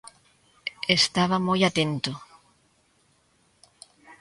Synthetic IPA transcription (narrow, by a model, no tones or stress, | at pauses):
est̪aβ̞amojat̪ẽnt̪ʊ